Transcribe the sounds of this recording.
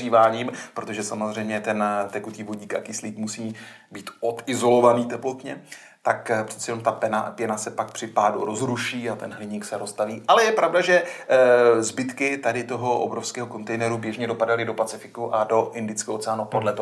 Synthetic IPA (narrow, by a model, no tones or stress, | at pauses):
iːvaːɲiːmpɾo̞t̪o̞ʒɛsamo̞zr̝ɛjmɲɛt̪ɛnt̪ɛkut̪iːvoɟiːka̰kɪsliːkmusiː | biːt̪ʔo̞t̪ɪzo̞lo̞vaniːt̪ɛplot̪ɲɛ | t̪akpr̥ɛ̥t̪sɛjɛnomt̪apɛna̰pjɛnasɛpak̚pr̥ɪpaːduɾo̞zɾuʃiːat̪ɛnɦlɪɲiksɛɾost̪aviːʔalɛjɛpɾavdaʒɛ | zbɪt̪kɪt̪adɪt̪o̞ɦo̞ʔo̰bɾofskɛːɦoko̞nt̪ɛjnɛɾubjɛʒɲɛdo̞padalɪdo̞pat͡sɪfɪkuʔado̞ʔɪndɪt͡skɛːoʔot͡sɛaːnupodlɛt̪o